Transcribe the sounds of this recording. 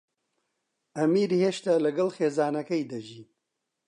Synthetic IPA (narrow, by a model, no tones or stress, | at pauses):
ɐmiːɾheːʃt̪alɐɡɐlxeːzaːnɐkɐjd̪ɐʒiː